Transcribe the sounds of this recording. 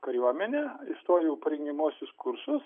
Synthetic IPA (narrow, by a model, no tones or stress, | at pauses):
kɐɾʲjuɔmʲɛnʲeːist̪oːjɛʊpɐɾʲɛŋʲɡʲɛmuɔsʲʊskʊrsʊs